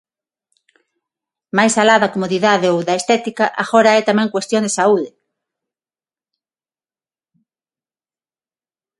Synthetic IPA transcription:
majsalaðɐkomoðiðaðeowðaest̪ɛt̪ikaʔaɣɔɾaɛt̪amɛ̃ŋkwest̪jond̪esauðɪ

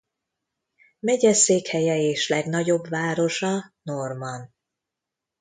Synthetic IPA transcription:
mɛɟɛseːkhɛjɛeːʃlɛɡnɒɟo̞bvaːɾo̞ʃɒnormɒn

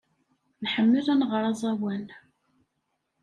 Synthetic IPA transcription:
nħəmːəlænʁɾˤɑzˤæwæn

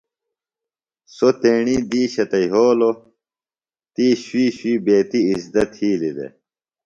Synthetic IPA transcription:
sot̪eːɳiːd̪iːɕɐt̪ɐiɦoːlo | t̪iːɕwiːɕwiːbeːt̪iisd̪ɐt̪hiːlid̪ḛ

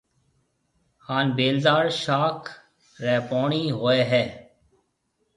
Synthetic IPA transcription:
xaːnbeːlzaːɾʃaːkʰ | ɾɛːpoːɳiːɦoːeːɦɛː

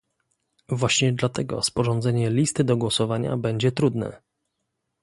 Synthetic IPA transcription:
vwaɕɲɛd̪lat̪ɛɡɔ̰spɔʐɔnd̪zɛɲɛlʲist̪ɘd̪ɔɡwɔsɔvaɲa̰bɛɲd͡ʑɛt̪ɾud̪nɛ̰

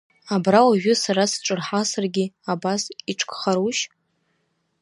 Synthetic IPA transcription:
abrawaʒᶣʊsaɾasʈ͡ʂʼɨrħasarɡʲɪabasiʈ͡ʂʰkʼχaɾuʃ

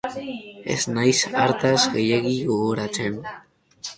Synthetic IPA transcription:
e̞̰znajsaɾt̪azɣe̞jeɣiɣo̞ɣoɾat͡se̞n

